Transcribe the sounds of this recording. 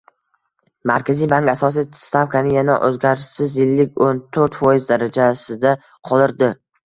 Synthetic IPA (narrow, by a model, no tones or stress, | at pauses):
maɾkʲʰazijbaŋkʲasɒs̬ist̪afkʰanɪjanaʔɵzɡʲaɾʃsɪzjɪlːɪkʲont̪ʰɵɾt̪fɒjɪzd̪aɾad͡ʒasɪd̪a | qʰɒlˠɪɾd̪ɪ